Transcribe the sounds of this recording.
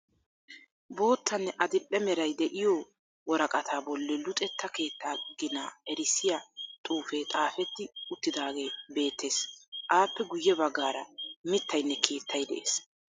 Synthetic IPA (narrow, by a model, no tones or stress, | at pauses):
bo̞ːt̪ʰːɐnːɛʔɐd̪ɪɗɛmɛɾɐjd̪ɛʔɪjoː | wɔɾɐkʼɐt̪ʰaːbɔlːɛlʊt̪ʼɛt̪ːɐke̞ːt̪ːaːɡɪnaːɛɾɪsːɪjɐt̪ʼuːfet̪ʼaːfɛt̪ːɪʊt̪ːɪd̪aːɡe̞ːbe̞ːt̪ʰːe̞ːsʔaːpːɛɡʊjːɛbɐɡːaːɾɐmɪt̪ʰːɐjnːɛkʰe̞ːt̪ʰːɐjd̪ɛ̰ʔḛːs